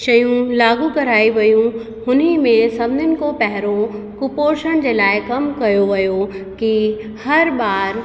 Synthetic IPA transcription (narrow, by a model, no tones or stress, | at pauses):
ʃɐjũlaːɡukɐɾaːiʋɐjũ | hʊnimẽsɐbnɪnɪ̆kopɛɦɾo | kʊpoːɾʃəɽ̃d͡ʑeːlaːɪkɐmkɐjoʋɐjoki | hɐɾbaːɾ